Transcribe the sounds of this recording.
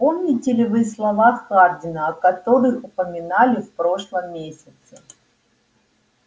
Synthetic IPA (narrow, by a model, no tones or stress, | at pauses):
po̞mnʲɪtʲɪlʲɪvɨslˠɐvaxxardʲɪnəɐkɐt̪o̞ɾɨxʊpəmʲɪnalʲɪfpɾo̞ʂlˠəmːʲesʲɪt̪sə